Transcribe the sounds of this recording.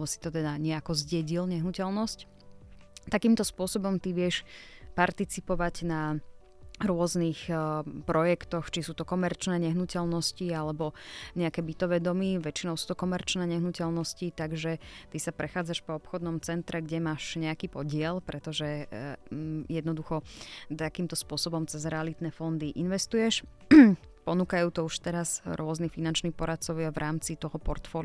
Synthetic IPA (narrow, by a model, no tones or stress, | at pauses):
bɔsi̥t̪ɔt̪ɛd̪aɲɪɛakɔzɟɛɟilɲɛɦnucɛlnɔsc | t̪akiːmt̪ɔspʊɔsɔbɔmt̪iʋɪɛʃpaɾt̪it͡sipɔʋaɟna | ɾʊɔznixpɾɔjɛkt̪ɔxt͡ʃisuːt̪ɔkɔmɛɾt͡ʃnɛːɲɛɦnucɛlnɔscialɛbɔɲɛakɛːbit̪ɔʋɛːd̪ɔmiʋɛt͡ʃinɔʊsuːt̪ɔkɔmɛɾt͡ʃnɛːɲɛɦnucɛlnɔscit̪aɡʒɛt̪isapɾɛxaːd͡zaʃpɔɔpxɔd̪nɔmt͡sɛnt̪ɾɛɡɟɛmaːʃɲɛakiːpɔɟɪɛlpɾɛt̪ɔʒɛ | jɛd̪nɔd̪uxɔt̪akiːmt̪ɔspʊɔsɔbɔmt͡sɛzɾɛalit̪nɛːfɔnd̪iʔinʋɛst̪ujɛʃ | pɔnuːkajuːt̪ɔuʃt̪ɛɾazɾʊɔznifinant͡ʃniːxpɔɾat̪̚t͡sɔʊɪavɾʔaːmt͡sit̪ɔɦɔpɔɾt̪fɔːl